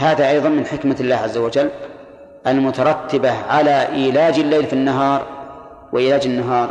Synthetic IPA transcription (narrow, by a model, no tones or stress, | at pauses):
haːðaʔɑjðˤɑnmɪnħɪkmalːaːhʕazːawad͡ʒalː | ʔalmʊt̪ɑɾˤɑt̪ːɪbaʕalaʔiːlaːd͡ʒɪlːeːlfinːaɦɑːɾˤ | wɪʔiːlaːd͡ʒɪnːaɦɑːɾˤ